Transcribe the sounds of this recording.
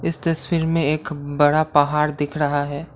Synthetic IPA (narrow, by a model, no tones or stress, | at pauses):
ɪst̪ɐswiːɾmẽeːkbɐɽapɐɦaːɾd̪ɪkʰɾɐɦaɦɛː